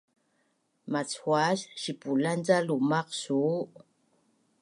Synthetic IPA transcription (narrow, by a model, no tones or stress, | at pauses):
mat͡sxwasʃipuland͡zalumaqsu